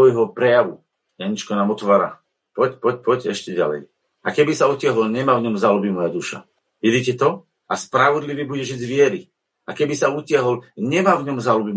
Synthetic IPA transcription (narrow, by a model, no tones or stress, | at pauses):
ɔjɦɔpɾɛjaʋu | jaɲit͡ʃkɔnaːmɔt̪ʋaːɾa̰ː | pɔcpɔc̚pɔcɛʃcɛɟa̰lɛ̰j | akɛbisaucɪaɦɔlɲɛmavɲɔmzalubimɔjad̪uʃa̰ | ʋid̪icɛt̪ɔ | aspɾaʋɔd̪liʋiːbuɟɛʒiɟzʋɪɛɾi | akɛbisaucɪaɦɔlɲɛmaːvɲɔmzalubi